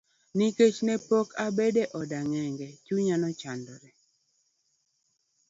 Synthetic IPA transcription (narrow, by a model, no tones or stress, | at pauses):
niket͡ʃnɛpokʰabedeʔɔdaŋɛŋɡɛt͡ʃuɲanɔt͡ʃandɔɾɛ